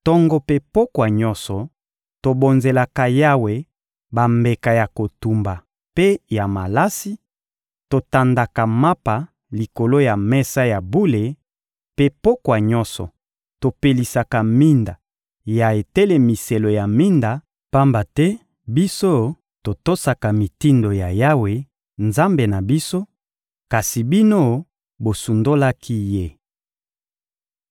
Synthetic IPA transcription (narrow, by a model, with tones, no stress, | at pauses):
tɔ˦ŋɡɔ˦pe˦po˦kwa˨ɲɔ˦sɔ˨ | to˨bo˨nze˨la˨ka˨ja˦we˨ | ba˨mbe˨ka˨ja˨ko˨tu˨mba˨ | pe˦ja˨ma˨la˦si˦ | to˨ta˨nda˨ka˨ma˦pa˨ | li˨ko˨lo˦ja˨mɛ˦sa˦ja˨bu˦le˨ | pe˦po˦kwa˨ɲɔ˦sɔ̰˨ | to˨pe˨li˨sa˨ka˨mi˦nda˨ | ja˨e˨tɛ˦le˦mi˨se˨lo˨ja˨mi˦nda˨ | pa˦mba˨tɛ˦ | bi˦so˦ | to˨to˦sa˨ka˨mi˨ti˦ndo˨ja˨ja˦we˨ | nza˦mbe˨na˨bi˦so˦ | ka˨si˨bi˦no˦ | bo˨su˨ndo˦la˦kʰi˦je˦˨